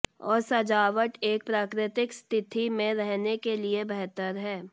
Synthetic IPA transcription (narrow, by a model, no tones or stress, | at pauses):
ɔ̰ːɾsɐd͡ʒaːʋəʈeːk̚pɾaːkɾɪt̪ɪkst̪ʰɪt̪ʰimẽɾɛɦnekeliebɛɦt̪əɾɦɛː